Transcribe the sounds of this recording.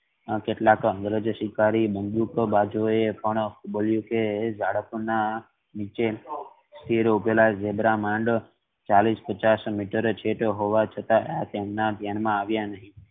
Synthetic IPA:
keʈlakəɡɾəd͡ʒʃikaɾibənd̪ukbad͡ʒoepəɳkubəljũked͡ʒaɽəpuna | nit͡ʃe | st̪ʰiɾubelad͡ʒebɾamãɳɖ | t͡ʃalispət͡ʃasmiʈəɾt͡ʃʰetɦoʋat͡ʃʰət̪aat̪emnad̪ʱjanmãaʋjanəɦĩ

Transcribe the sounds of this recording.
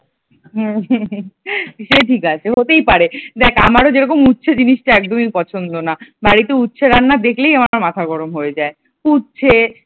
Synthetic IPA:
ɦ | ʃeʈʰikat͡ɕʰeɦot̪ejpaɾed̪ɛkʰamaɾod͡ʑeɾɔkomutːɕʰed͡ʑiniʃʈaɛk̚d̪omipɔt͡ɕʰond̪onabaɽit̪eutːɕʰeɾanːad̪ekʰlejamaɾmat̪ʰaɡɔɾomɦoed͡ʑae | utːɕʰe

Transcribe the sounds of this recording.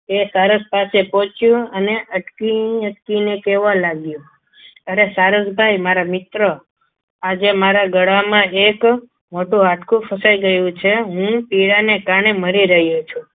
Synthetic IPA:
esaɾəspasepɔ̃t͡ʃjũəneʔəʈkiəʈkinekeʋãlaɡjũ | əɾesaɾəd͡ʒbʱajmaɾamɪt̪ɾə | ad͡ʒemaɾaɡəɽamãek | moʈũɦat̪ʰkʰũfʰəsaiɡəjũt͡ʃʰeɦũpiɭanekaɾɳeməɾiɾəɦjot͡ʃʰũ

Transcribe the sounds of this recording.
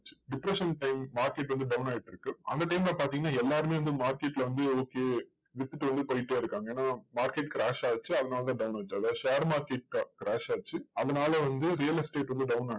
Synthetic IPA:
t͡ʃːɯɖɪpɾɛʂɐnʈɐɪmːaːɾkeʈːʋɐnd̪ɯɖɐʊnaːjɪʈːɪɾɯkːɯʔɐ̰nd̪ɐʈɐɪmlapaːɾt̪iːŋɡɐnːaːɛlːaːɾɯmeːʋɐnd̪ɯmaːɾkeʈːɪlɐʋɐnd̪ɯoːkeː | ʋɪt̪ːɯʈːɯʋɐnd̪ɯpoːjɪʈːeːɪɾɯkːaːŋɡɐeːnːaːmaːɾkeːʈ̚kɪɾaːʂaːt͡ʃːɯɐðɐnaːlɐt̪ãːɖɐʊnaːt͡ʃːɯɐðaːʃaːɾmaːɾkeʈ̚kakɪɾaːʃaːt͡ʃːɯɐðɐnaːlɐʋɐnd̪ɯɾijɐlɐsʈeːʈʋɐnd̪ɯɖɐʊnaː

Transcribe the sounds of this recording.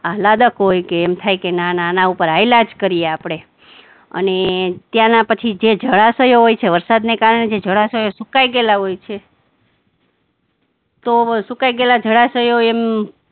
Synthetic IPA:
alad̪əkɦojkeːmt̪ʰajkenananaupəɾailad͡ʒkəɾijeapɽ̃e | ə̰net̪jãnapət͡ʃʰid͡ʒed͡ʒʱəɭasəjoɦojt͡ʃʰeʋəɾsad̪nekaɾɳed͡ʒed͡ʒʱəɭasəjosukajɡelaɦojt͡ʃʰe | t̪osukajɡelad͡ʒʱəɭasəjoem

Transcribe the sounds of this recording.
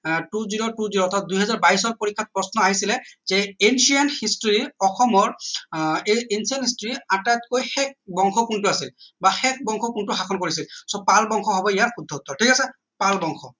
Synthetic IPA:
tuziɹotuziɹoɔtʰat̚d̪uɦɛzaɹbaɦisɔtpoɹikʰːat̚pɹɔsnɔaɦisilɛzɛensijanhistɔɹiɔxɔmɔɹ | eensiɔnhistɔɹiatajt̚kojxɛk̚bɔŋxʰɔkuntʊasilbaxɛk̚ʰbɔŋkʰɔkuntʊxakʰɔnkoɹisilsɔpalbɔŋxʰɔɦɔbɔijatxud̪ʱɔut̪ːɔtʰikasɛ | palbɔŋxʰɔ

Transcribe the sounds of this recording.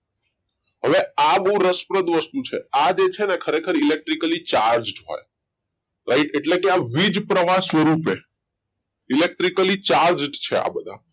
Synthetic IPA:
ɦəʋeabəɦũɾəspɾəd̪ʋəst̪ut͡ʃʰḛad͡ʒet͡ʃʰenekʰəɾekʰəɾilek̚ʈɾikəlit͡ʃaɾd͡ʒʈɦo̰j | ɾaiʈeʈlekeaʋid͡ʒpɾəʋasʋəɾupe | ilek̚ʈɾikəlit͡ʃaɾd͡ʒʈt͡ʃʰea̰bəd̪ʱa̰

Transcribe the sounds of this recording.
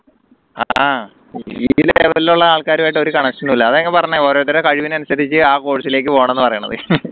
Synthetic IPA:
a̰ | ileʋɐliluɭːɐaːɭkaːɾumaːjʈ̬ːɨo̞ɾukɐɳɐkʂɐnulːɐɐðeŋːɡilpɐrɐɲːao̞ːɾoːt̪ːɐɾekɐɻiʋinɐnusɐðit͡ɕːɨaːko̞ːɻisile̞ːk̬ːɨpo̞ːɐɳmenːɨpɐrɐjuɳːɐ̰ðɨ̰

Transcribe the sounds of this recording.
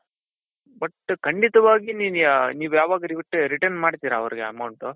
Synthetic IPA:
bɐʈːkɐɳɖit̪ɐʋaːɡininjɐniːʋujaːʋaːɡɐɾiʋiʈːɾiʈɐɾnmaːɖt̪iːɾɐːʋɐɾiɡeɐ̰mɐwɳʈu

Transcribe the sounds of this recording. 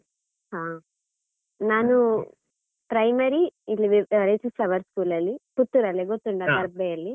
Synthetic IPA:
ɦaː | naːnu | pɾɐjmɐɾiilːiʋiɐɾesisɐʋɐɾskuːlɐlːiput̪ːuɾɐlːiɡot̪ːuɳɖad̪ɐɾbejɐlːi

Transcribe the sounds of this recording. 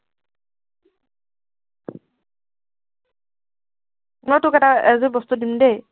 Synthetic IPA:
mojtʊkɛtaɛzʊbɔst̪udimde

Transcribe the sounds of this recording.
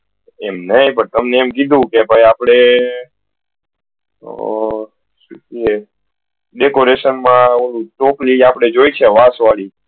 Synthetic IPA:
ɛmnəipəɳt̪əmneːmkid̪ʱũkebʱajapɽ̃e | ʃukie | ɖekoɾeʃənmãolũʈokliapɽ̃ed͡ʒoit͡ʃʰeʋasʋali

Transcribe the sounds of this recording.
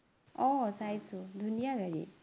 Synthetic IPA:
ɔsajsud̪ʱunijaɡəɾḭ

